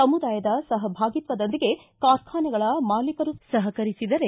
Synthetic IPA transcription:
ɐmud̪aːjɐd̪ɐsɐɦɐbʱaːɡit̪ʋɐd̪ond̪iɡe̞ | kaːɾkʰaːnɐɡɐɭɐmaːlikɐɾusɐɦɐkɐɾisid̪ɐɾe̞

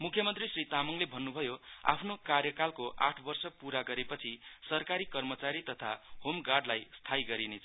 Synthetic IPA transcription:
mukʰjʌmʌnt̪risrit̪amʌŋlebʱʌnːubʱʌjoa̰pʰnokarjʌkalkoʔa̰ʈʰbʌrsʌpuɾaɡʌɾepʌt͡sʰisʌrkaɾikʌrmʌt͡saɾit̪ʌt̪ʰa̰homɡarɖlajst̪ʰaiɡʌɾinet͡sʰ

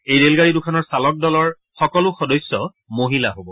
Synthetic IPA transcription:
ejɹelɡaɹidʊkʰanɔɹsalɔk̚dɔlɔɹ | xɔkɔlʊxɔdɔjsːɔ | moɦila̰ɦobɔ

